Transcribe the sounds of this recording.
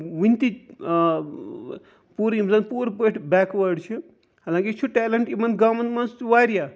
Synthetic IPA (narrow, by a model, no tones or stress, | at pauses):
ʋint̪i | puɾjimzɐnpuːɾpəʈʰbɛːkʋɐɾɖt͡ʃʰi | haːlãːŋkit͡ʃʰuʈɛːlɐɳʈimɐn̚ɡɐmɐnt̪mɐnst͡ʃʋaːɾja